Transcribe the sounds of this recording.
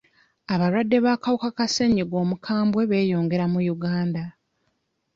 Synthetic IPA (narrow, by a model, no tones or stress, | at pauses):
aβaɾwadːe̞βaːkawukakase̞ɲiɡo̞ːmukʰaːmbwe̞βe̞ːjo̞ːŋɡe̞ɾamujuɡaːnda